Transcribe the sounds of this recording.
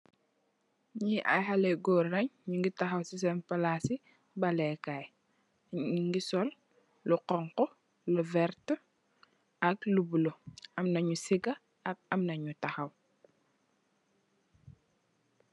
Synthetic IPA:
ɲiʔa̰jɦalɛɡɔːrːɐɲɲuŋɡitɐxɐwsis̬ɛnpɐlasi | bɐlɛkaj | ɲuŋɡisɔl | luqɔŋkɔ | luvɛɾt | ɐklubuloɐmnɐɲusiɡɐ | ɐk̚ɐmnɐɲutɐxɐw

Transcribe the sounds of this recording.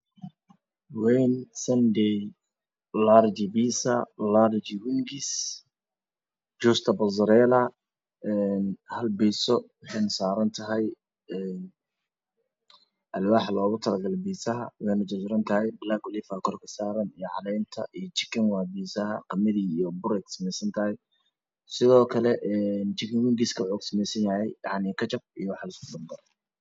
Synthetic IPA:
wɛjnsɐndɛj | laɾd͡ʒɪbiːsɐlaːɾd͡ʒɪwɪŋɡɪs | d͡ʒuːst̪ʰɐbɐzɐɾɛːlɐ | ɛnhɐlbiːsɔwɑħɑjnɐsaːɾɐnt̪ʰɐɦɛj | ɛːn | ʔɐlwɑːħlɔːɣʊt̪ʰɐlɐɡɐlbiːsɐɦɐ̰wħenɐt͡ʃɐsʊɾɐnt̪ʰɐɦɛjbɪlaːɡʊliːfakʰɔrkʰɐsaːɾɐnijɔʕɑ̰lɛjnt̪ʰɐ̰ʔijɞt͡ʃɪ̥kʰɪŋwaːbiːsɐɦɐqɑmɐðiːijɔbʊɾɛksɐmɛjsɐnt̪ʰɐhɛj | sɪðɔːkʰɐlɛʔɛnt͡ʃɪkʰɪŋwɪŋɡiskʰɐħɔːɡsɐmɛjsɐnjahɛ̰jjɑʕnikʰɐt͡ʃɐb̚ijɔwɑħɑlɪskʊbɐmd̪ɐr

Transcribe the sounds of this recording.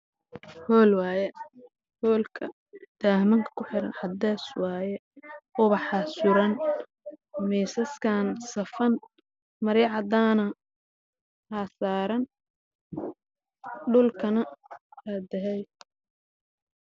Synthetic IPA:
hɔːlwɑːjɛ | hɔːlkʰɐ̰ | d̪̥aːhmɐŋkʰɐ̥kʰʊħɪɾɐ̰nħɑd̪ɛːswɑːjɛʔɔβɐħɑsʊɾɐn | miːsɐskʰaːnsɐfɐn | mɐɾɛʕɑd̪aːnɐ | haːsaːɾɐn | ɖʊlkʰɐnɐad̪ɐɦɛj

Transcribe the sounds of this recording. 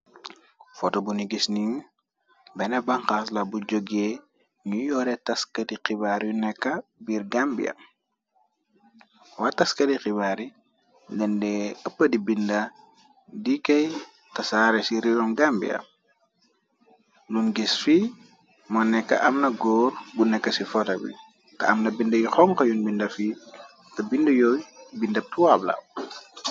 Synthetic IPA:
fɔtɔbuniɡisniɲ | bɛnɐbaŋxaːslɐbuɟoɡe | ɲujɔːɾɛtɐskɐdiqibaːɾjunɛkːɐbiɾɡambḭɐ̰ | watɐskɐdixibaːɾi | dɛndɛɐpːədibinda | dikɐj | tɐsaːɾesiɾilɔmɡambḭɐ̰m | nunɡisfi | mɔnɛkːɐ̰ʔɐmnɐɡɔːrbunɛkːɐsifɔtɐwḭ | tɐ̰ɐmnɐbindɐjixɔŋkɐjunbindɐfiː | tɐbindɐjɔjbindɐp̚tuwabla̰w

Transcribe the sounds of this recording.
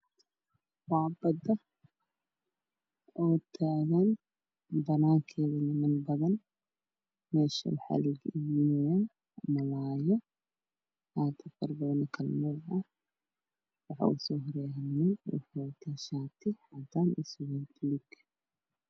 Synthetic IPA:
wɑːbɐd̪ɐ | ɔːt̪ʰaːɣɐn | bɐnaːŋkʰɛːðɐnɪmɐnbɐðɐn | mɛːʃɐ̰ħa̰lɪɡjɪnɛ | mɐlaːjɔ | haːt̪ʰɐfɐrbɐðɐnkʰɐlmɐlɐ | wɑħɑ̰ʊsɔːɦɔɾɛːhnɛjħat̪ʰɐʃaːt̪ʰɪħaːd̪anɪswɛd̪ʊlɪɡ

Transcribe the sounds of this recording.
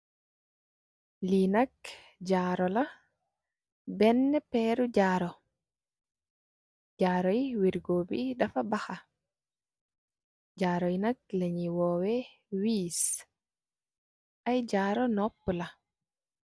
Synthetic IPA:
linɐk | ɟaːɾɔlɐ | bɛnːɛpɛːɾuɟaːɾɔ | ɟaːɾɔjiwiɾɡoːbḭdɐfabaxa | ɟaːɾɔjinɐk̚leɲiwɔːwɛ | wiːs | ʔajɟaːɾɔnɔpːla

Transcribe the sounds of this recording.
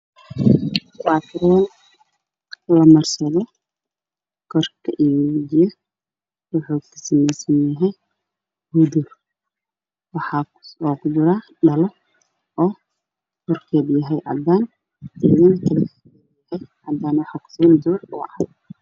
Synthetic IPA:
wɑːt̪ʰɪɾɛːn | lɐmɐrsɐðɔ | kʰɔrkʰɐʔiɪjɐ | wʊħukʰɐ̥sɐmɛjsɐnjɐɦɛj | hʊd̪ʊ | wɑħɑː | sɔːqʊd̪ʊɾaː | ɖɐlɔ | ɔː | kʰɔrkʰɛːdjɐɦɛjʔɐ̰d̪aːn | ɪðɪŋkʰɐlɐk | hɛjʕɐd̪aːnwɑħaːkʰʊ̥siːnd̪uːrʊ̰ʕɐ̰d

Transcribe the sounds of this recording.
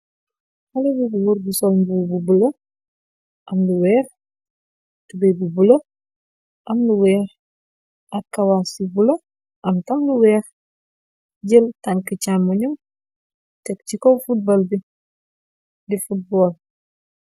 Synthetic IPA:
hɐlebuɡuwuɾbusɔlbububulɐ | ʔɐmluwɛːx | tubebubulɐ | ʔɐmluwɛːx | ɐkːɐwasibulɐ | ʔɐmtɐmluwɛːx | ɟəltɐŋkicammuɲum | tɛkcikowfut̚bɐlbi | difut̚boːl

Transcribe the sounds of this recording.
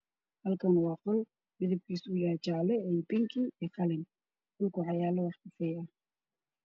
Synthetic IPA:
hɐlkʰɐnwɑːqɔl | mɪðɪb̚kʰiːsʊjaːt͡ʃaʕlɛɛjbɪŋkʰiʔɛːqɑlɪn | d̥ʊlkʰʊʕɑjaːlɐwɑħkɪsɛjɐh

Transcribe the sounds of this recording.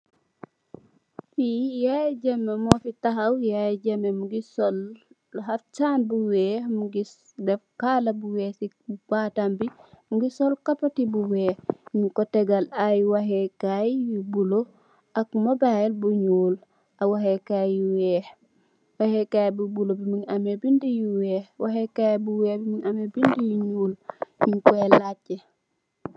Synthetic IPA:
fijajɟɐmːemɔfitaɦɐwjajɟɐmemuɡisɔl | haft͡ʃaːnbuwɛhmuɡi | dɛfkaːlɐbuwɛːsi | baːtambimuɡisɔlkapatibuwɛːhɲukɔtɛɡalajwaɦɛkajjibulo | ʔakmabailbuɲuːl | awaɦekajjiwɛːh | wahekajbubulobimiŋamebindijuwɛːhwʔaɦekajbuwɛːhbimiɲamebindijiɲuːlɲiŋkɔɛlace

